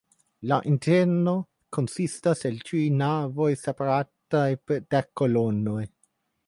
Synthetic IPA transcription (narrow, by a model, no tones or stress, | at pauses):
laʔint̪ɛɾno | konsist̪aselt͡ʃujnavojsepaɾat̪ːajped̪̥ɛkːolonːoj